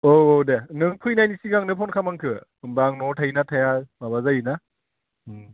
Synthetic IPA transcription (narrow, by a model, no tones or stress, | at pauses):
oowdenɯŋpʰɯjnajnisiɡaŋnɯpʰɔnkʰamaŋkʰɯmbaŋnɔtʰainatʰajababazajɯna